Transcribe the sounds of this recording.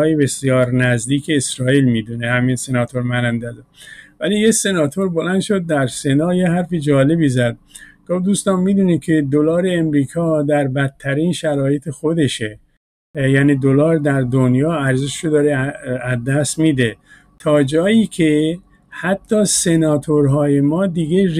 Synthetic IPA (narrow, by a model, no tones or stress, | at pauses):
jebe̞sijɒːɾnæzd̪iːkʰe̞ːsɾɒːiːlmiːd̪unehæminsenɒːt̪ʰoɾmænænd̪æzvæliːjese̞nɒːt̪ʰoɾbolænd̪ʃo̞d̪̚ːæɾse̞nɒːjehæɾfid͡ʒɒːle̞biːzæd̪̥̚ɡ̥ofd̪uːst̪ɒːmmːid̪unikʰe̞d̪olɒːɾeːmɾiːkʰɒːd̪æɾbæt̪ʰːæɾiːnʃæɾɒːjet̪ʰexo̞d̪e̞ʃe | jæːniːd̪olɒːɾd̪æɾd̪onjɒːæɾzeʃɾod̪ɒːɾeæzd̪æst̪miːd̪e | t̪ʰɒːd͡ʒɒːjiːkʰe | hæt̪ʰːɒːse̞nɒːt̪ʰoɾɦɒːje̞mɒːd̪iɡe